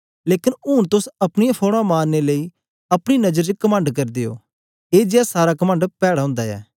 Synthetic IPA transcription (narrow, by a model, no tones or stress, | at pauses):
leːkɪnuːnt̪ʊsɐpñɪjãpʰoːɽ̃ãmaːnːeləiː | ɐpɽ̃inɐd͡ʒəɾd͡ʒkəmə̃ɳɖkɐɾd̪eːo̰ː | eːd͡ʒaːsaːɾaːkəmə̃ɳɖpɛːɽaːɦʊ̃ːnd̪aːɛ̰ː